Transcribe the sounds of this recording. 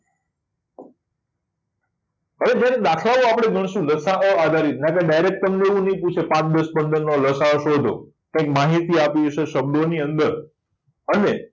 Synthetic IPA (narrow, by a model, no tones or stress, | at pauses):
ɦəʋed͡ʒjaɾed̪akʰlaʋõapɽ̃eɡʱəɳ̃ʃũləsaʔoad̪ʱaɾit̪nãk̬eɖajɾek̚ʈt̪əmneʋũnəĩput͡ʃʰepãt̪d̪əspənd̪ənːoləsaoʃod̪ʱo̰ | kãɪ̃kmaɦit̪iapiʃeʃəb̚d̪ʱoniənd̪əɾ | əne